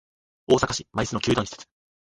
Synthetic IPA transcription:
o̞ːsakaɕimaisɨnokʲɨːd̪õçise̥t͡sɨ̥

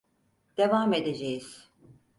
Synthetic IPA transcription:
d̪̥e̞vaːme̞d̪e̞d͡ʒejiz̥

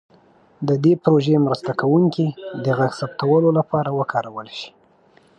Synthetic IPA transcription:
d̪əd̪epɾoʒemɾəst̪akawuŋkid̪əɣaɡsapt̪awəlolapɑɾawəkʰɑɾawəlʃi̥

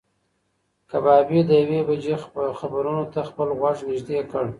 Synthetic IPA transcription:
kabɑbid̪əjawebad͡ʒexabaɾunot̪axpəlɣwaʐnɪʒd̪ekəɽ

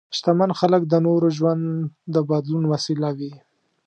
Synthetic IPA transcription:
ʃt̪amanxalək̚d̪ənoɾoʒwand̪d̪əbad̪lunwasilawi

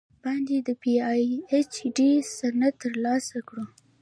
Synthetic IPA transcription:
b̥ɑnd̪ed̪əpiɑjet͡ʃɖisanat̪ːəɾlɑsakɽu

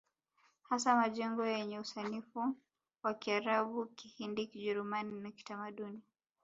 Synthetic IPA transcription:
hasamaʄɛŋɡɔjɛɲɛusanifu | wakiaɾaɓukihindikiʄɛɾumaninaki̥tamaɗuni

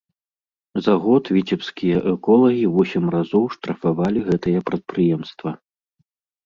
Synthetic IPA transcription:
zaɣɔt̪vʲit͡sʲɛpskʲijɐʔɛkɔlˠɐɣʲivɔsʲimrazɔwʂt̪ɾɐfavalʲiɣɛt̪ɐjɐpɾɐt̪̚pɾɨjɛmst̪vɐ

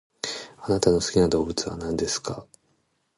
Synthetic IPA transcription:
anat̪ano̞sɨ̥kʲinad̪o̞ːbɯ̟t͡sɨβa̰nãnd̪e̞sɨ̥ka

